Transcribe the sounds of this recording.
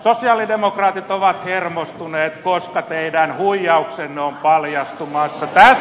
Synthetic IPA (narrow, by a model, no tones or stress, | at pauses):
sosiɑːlidemokrɑːt̪it̪oʋɑt̪hermost̪uneːt̪koskɑt̪eidænhuijɑuksenːeompɑljɑst̪umɑsːɑt̪æs